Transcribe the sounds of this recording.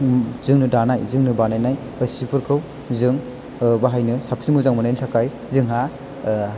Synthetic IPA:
zɯŋnɯdanajzɯŋnɯbanajnaj | ɯsipʰuɾkʰɯw | zɯŋ | baɦajnɯsapʰimuzaŋmɯnajntʰakaj | zɯŋɦa

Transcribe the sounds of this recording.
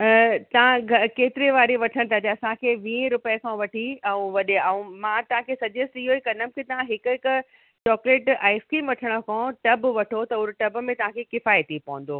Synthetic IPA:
t̪ɐʋ̤ãɡʱɐkeːt̪ɪɾeʋaːɾeʋɐʈʰəɽ̃t̪ʰaːt̪eɐsãkʰeːʋĩːɾʊpəkʰãːʋɐʈʰiɛ̃ũʋɐɗeɛũmãt̪ɐɦãkʰeːsɐʄesɪɦoikɐnəmkʰet̪ɐʋ̤ãɦɪkʊɪkʊ | t͡ɕɔːkleːʈaːɪskiːmʋɐʈʰəɽ̃okʰɔ̃ʈɐbʋɐʈʰot̪ɐʊɾʈɐb̆mẽt̪ɐʋ̤ãkʰeːkɪfaːjet̪ipɐʋə̃n̆d̪oː

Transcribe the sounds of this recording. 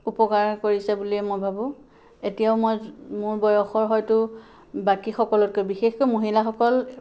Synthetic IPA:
upɔkaɹkoɹisɛbuliɛmojbʱabʊ̃ | etijaʊmojmʊɹbɔjɔxɔɹɦɔjtʊ | bakixɔkɔlɔt̚kojbixexkojmoɦilaxɔkɔl

